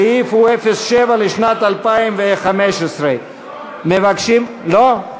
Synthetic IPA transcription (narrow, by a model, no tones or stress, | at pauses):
jifuefesʃevaleʃnat̪alpaimveχameʃesʁe | mevakʃim | lo